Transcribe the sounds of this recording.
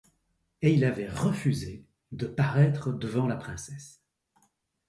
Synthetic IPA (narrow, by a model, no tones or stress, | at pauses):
eilavɛʁəfyze | d̪əpaʁɛt̪χəd̪əvɑ̃lapχɛ̃sɛs